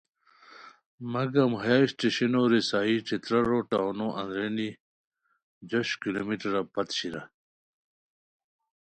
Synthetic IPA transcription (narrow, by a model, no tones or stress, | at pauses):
mɐɡɐmɦaːisʈeɕɐnoɾisaːiʈ͡ʂit̪ɾɐɾoʈanoʔɐ̰̃nd̪ɾeni | d͡ʑoɕkilomiʈɐɾɐpɐt̪ɕiɾɐ̰